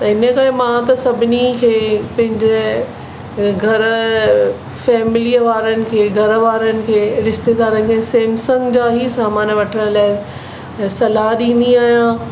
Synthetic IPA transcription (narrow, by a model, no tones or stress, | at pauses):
t̪ɐɪnəkɐɾemãt̪ɐsɐbʱɪnikʰeːpɐ̃ɦɪ̃ɲd͡ʑe | ɡʱɐɾ | fɛːmɪliəʋaːɾənɪ̆kʰeːɡʱɐɾʋaːɾənɪ̆kʰeːɾɪʃt̪eːd̪aːɾənɪ̆kẽseːmsɐ̃ŋɡd͡ʑaːɦisaːmaːnʋɐʈʰəɽ̃laːɪ | sɐlaːɦɗĩːnd̪iaːɦijã